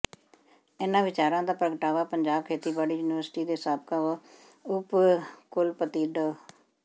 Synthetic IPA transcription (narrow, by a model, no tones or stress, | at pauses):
ɪnãːʋɪt͡ʃaːɾãːd̪aːpɾəɡəʈaːʋaːpəɲd͡ʒaːb̚kʰeːt̪iːbaːɽiːjuːnɪʋəɾsʈiːd̪eːsaːb̚kaːʋə | ʊpkʊlpət̪iːɖə